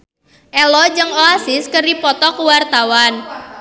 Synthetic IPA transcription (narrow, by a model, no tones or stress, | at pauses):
ʔɛlɔd͡ʒɨŋoasɪskəripɔt̪ɔkuwart̪awan